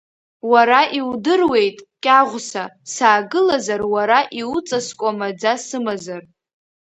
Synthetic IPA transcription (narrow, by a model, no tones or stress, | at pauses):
waɾaʔiwdɨrwe̞jtʼkʲʼaʁʷsasaːɡɨlazarwaɾaʔiut͡sʼaskʷʼamad͡zasɨmazar